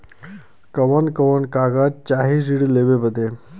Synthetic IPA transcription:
kəʋənkəʋənkaɡat̚t͡ɕaɦid͡ʑiɽleʋepət̪e

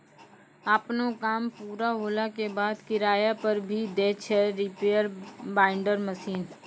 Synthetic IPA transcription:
apnokaːmpuːɾaɦoːlakebaːd̪kɪɾaːjapɐɾbʱid̪eːt͡ʃʰɛɾɪpeːjəɾbaːɪ̃ɳɖəɾməsiːn

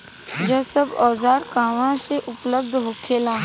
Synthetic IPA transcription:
d͡ʒɐsəbɔːzaːɾkaːʋãseʔʊpləbd̪ʱɦoːkʰeːlãː

